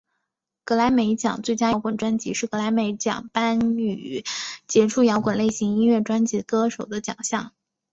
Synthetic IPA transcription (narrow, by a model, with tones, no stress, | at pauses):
kɤ˧˥la˧˥ɪme˧˥ɪt͡ɕjɑ̰˨˩˦ŋt͡swe˥˩ɪt͡ɕja˥jʊkwə˨˩nʈ͡ʂwa˥nt͡ɕi˧˥ʂɻ̩˥˩kɤ˧˥la˧˥ɪme˧˥ɪt͡ɕjɑ̰˨˩ŋpa˥ny˨˩t͡ɕjɛ˧˥ʈ͡ʂʰu˥˩jɑ˧˥ʊkwə˨˩nle˥˩ɪɕi˧˥ŋi˥nɥɛ˥˩ʈ͡ʂwa˥nt͡ɕi˧˥kɤ˥ʂo˨˩ʊd̪ə˦t͡ɕjɑ̰˨˩ŋɕjɑ˥˩ŋ